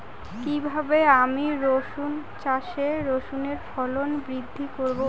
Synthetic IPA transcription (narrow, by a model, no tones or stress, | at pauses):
kibʱabeamiɾoʃunt͡ɕaʃeɾoʃuneɾfɔlonbɾid̪ʱːikoɾbo